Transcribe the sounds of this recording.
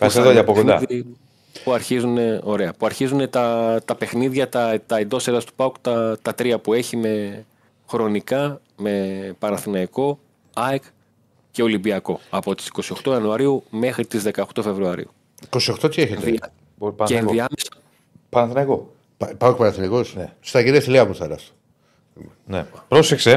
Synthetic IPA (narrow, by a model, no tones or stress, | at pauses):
ksðoɐpokonaði | puɐɾçizune̞o̞ɾe̞ɐpuɐɾçizune̞t̪ɐt̪ɐpe̞xniðʝɐt̪ɐt̪ɐend̪o̞seɾɐst̪u̥pɐukt̪ɐt̪ɐt̪ɾiɐpue̞çime̞ | xɾo̞nikɐ | me̞pɐnɐθinɐiko̞ | ɐjk | ce̞o̞limbiɐko̞ɐpo̞t̪i̥si̥ko̞sio̞xt̪oɐnuɐɾiume̞xɾit̪izðe̞kɐoxt̪o̞fe̞vɾuɐɾḭu | iko̞sio̞xt̪ot̪ieçet̪ei | enðiɐmesɐ | pɐnɐθinɐko | ppauk̚pɐnɐθinɐikosnst̪ɐɡiɾɐst̪iliɐmuθɐɾɐ̰st̪o̥ | nepɾosekse